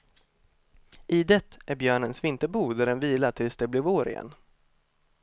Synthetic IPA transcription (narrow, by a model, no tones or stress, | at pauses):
ʔɪd̪ɛt̪ːʔæɾbjœːɳənsvɪnt̪əbuːd̪æɖɛnviːlaʈʰɪlsd̪ɛblɪvoːɾɪ̰jɛ̰n